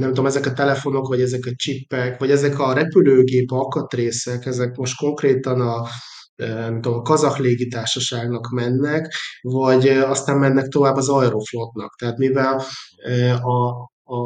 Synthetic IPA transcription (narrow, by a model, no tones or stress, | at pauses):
nɛmt̪uomɛzɛkɒt̪ɛlɛfo̞no̞kʋɒɟɛzɛkɒt͡ʃipːɛkvɒɟɛzɛkɒɾɛpyløːɡeːpɒkɒt̪reːsɛkɛzɛkmo̞ʃt̪̚ko̞ŋkreːt̪ɒnɒ | øɛmt̪omɒkɒzɒxleːɡit̪aːrʃɒʃaːɡnɒkmɛnːɛkvɒɟɒst̪aːmmɛnːɛk̚t̪o̞vaːbːɒzɒjɾoflot̪nɒ̰kt̪ɛɦaːt̪mivɛløɒː